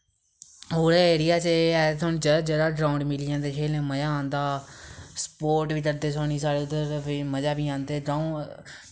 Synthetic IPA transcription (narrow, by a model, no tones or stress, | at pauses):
ɦoːɾaeːɾɪjaːt͡ʃeɛt̪ʰoːnũd͡ʒəd͡ʒəɾaːɖɾaːʊ̃ɳɖmɪliãːnd̪eːʃeːlẽːməd͡ʒaːãːnd̪aːspoːɾʈʋiːkəɾd̪eːsoːɽ̃iːsaːɽeːʊd̪əɾʋiməd͡ʒaːbiːãːnd̪eːɖɾaːũ